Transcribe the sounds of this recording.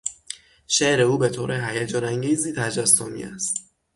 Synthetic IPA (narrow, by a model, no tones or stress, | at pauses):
ʃeʔɾe̞uːbe̞t̪ʰoːɾʔeɦæjæd͡ʒɒːnæŋɟiːziːt̪ʰæd͡ʒæsːomḭæ̰st̪